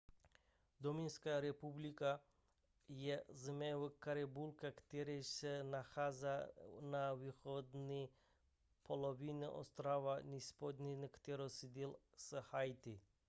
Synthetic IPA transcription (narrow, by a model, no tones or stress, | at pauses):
d̪ominskaɾɛpublika | jɛzmɛʋukaɾebulkakt̪eɾesɛnaxazanaʋixod̪ni | pʰoloʋiniʔo̰st̪ɾaʋanispod̪ʲnʲinkt̪eɾosid̪ilˠ | səhajt̪i